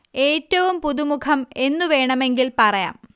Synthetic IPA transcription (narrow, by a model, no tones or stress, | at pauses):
e̞ːtːɐʋumpuðumukʰɐme̞nːuʋe̞ːɳɐme̞ŋɡilpɐrɐja̰ːm